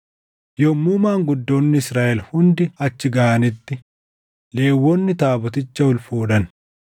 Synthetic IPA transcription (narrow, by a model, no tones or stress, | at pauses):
jɔmːuːmaːŋɡʊd̪ːoːnːɪɪsɾaːʔɛlhʊnd̪ɪɐt͡ʃːɪɡɐɐnɪt̪ːɪ | le̞ːwːɔnːɪt̪aːbɔt̪ɪt͡ʃːɐʊlfoːᶑɐn